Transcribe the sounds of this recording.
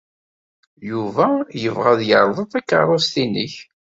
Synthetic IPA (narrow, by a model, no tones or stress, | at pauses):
juvæjəvʁæðjəɾˤðˤəðˤækːə̰ɾˤost̪inə̰ç